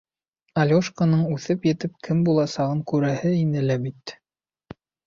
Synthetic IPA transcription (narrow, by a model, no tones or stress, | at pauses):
alʲoʃkonɤɴʉθɘpjɘ̆t̪ɘp̚kʰɘmbulˠɑsɑʁɤŋkʉɾæhɘinɘ̆læbit̪